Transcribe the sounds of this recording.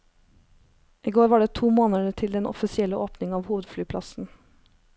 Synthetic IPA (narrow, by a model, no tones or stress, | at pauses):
ʔiːɡoːɾʋɑːɖeːt̪ʰuːmoːnəɖət̪ʰɪld̪ɛnʔɔ̰fɪsɪɛləʔoːpnɪŋɑːʋhuːʋəd̪flyːpʰlɑ̰sn̩